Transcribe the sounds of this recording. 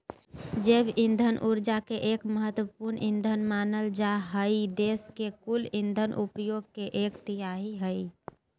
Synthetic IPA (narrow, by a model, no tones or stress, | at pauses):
d͡ʒebĩnd̪ʱənʔuɾd͡ʒakeʔeːkməɦət̪wəpuɾnʔĩnd̪ʱənmanəld͡ʒaɦəid̪eskekulĩnd̪ʱənʔupjoɡ̚keʔeːkt̪ijaɦiɦəi